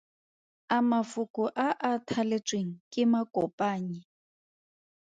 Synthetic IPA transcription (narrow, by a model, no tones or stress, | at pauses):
amafʊkʼʊʔaʔatʰalet͡sʼweŋ̩kʼɪmakʼɔpʼaːɲi